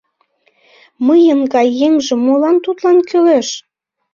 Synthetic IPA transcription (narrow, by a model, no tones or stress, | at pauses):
məjənɡɑjːeŋʒĕmolɑnt̪ut̪lɑnkyleʃ